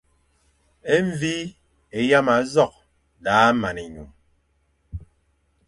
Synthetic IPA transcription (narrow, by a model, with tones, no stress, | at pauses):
e˦ɱ˨vi˦ | e˨ja˦ma˨˦zɔ˦˨k̚ | laː˨˦ma˨ne˨ɲṵ˨m